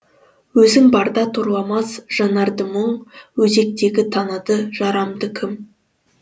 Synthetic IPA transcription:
wɵzɪŋbɑɾd̪ɑt̪ʰoɾlˠɑmɑsʒ̥ɑnɑɾd̪əməɴwɵze̞k̚t̪e̞ɡʲɪt̪ʰɑnəd̪əʒ̥ɑɾɑmd̪əkʲʰɪm

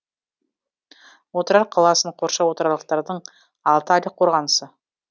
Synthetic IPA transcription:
wot̪əɾɑɾqʰɑlˠɑsəɴqʰo̞ɾʃɑwo̞t̪əɾɑlˠəq̚t̪ɑɾd̪əɴ | ɑlˠt̪əɑlʲəqʰo̞ɾʁɑnəsə

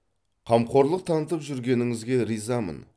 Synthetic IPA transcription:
qʰɑmqʰo̞ɾlˠəq̚t̪ʰɑnət̪əpʒʏɾɡʲe̞nɪŋɪzɡʲe̞ɾijzɑmə̰n

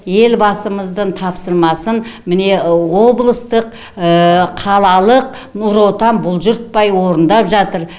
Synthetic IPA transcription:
je̞lbɑsəməzd̪əɴt̪ʰɑpsəɾmɑsənmɪne̞wo̞blˠəst̪əq | əqʰɑlˠɑlˠəq̚ | nuɾo̞t̪ɑnbʊlˠʒʊɾt̪̚pɑjwo̞ɾənd̪ɑpʒɑt̪əɾ

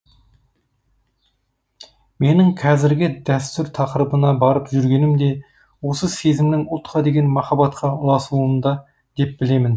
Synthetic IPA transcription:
me̞nɪŋqʰɑzɪɾɡʲɪd̪æst̪ʏɾt̪ʰɑqəɾəbənɑbɑɾəpʒʏɾɡʲe̞nɪmd̪e̞ | wo̞səse̞zɪmnɪŋʊlˠt̪qɑd̪e̞ɡʲe̞nmɑχɑbɑt̪qʰɑʊlˠɑsuənd̪ɑ | d̪̥e̞p̚bɪle̞mɪn

